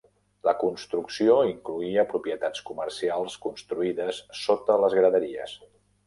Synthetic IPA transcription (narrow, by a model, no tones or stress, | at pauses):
ləkunst̪ɾuksioiŋkluiəpɾupjət̪at͡skuməɾsialˠskunst̪ɾuiðəsːot̪ələzɣɾəðəɾiə̰s